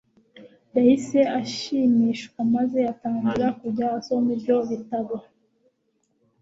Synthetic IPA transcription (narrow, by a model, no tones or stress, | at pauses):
jahise̞aʃimiːʃkwamaze̞ataːŋɡuɾakuɟasonibjo̞βitaβa